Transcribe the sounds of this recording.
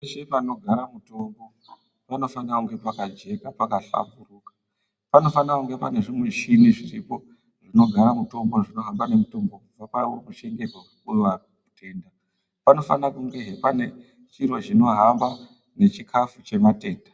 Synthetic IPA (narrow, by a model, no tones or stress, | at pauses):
eʃepano̞ɡʱaɾamuto̞mbo̞ | pano̞fanakuŋɡe̞pakad͡ʒe̞kapakaɬa̰mburuːkḁ | pano̞fanakuŋɡe̞pane̞ʐimwe̞ʃiniʐiripo̞ | ʐino̞ɡʱaɾamuto̞mbo̞ʐino̞ɦambane̞muto̞mbokub͡vapaomuʃe̞ŋɡe̞ɡʱwekukurʋa | kutʰe̞ːnda | pano̞fa̰nakuŋɡe̞ɦepane̞ | t͡ʃiɾo̞t͡ʃino̞ɦamba | ne̞t͡ʃikʰafut͡ʃe̞mate̞ːndḁ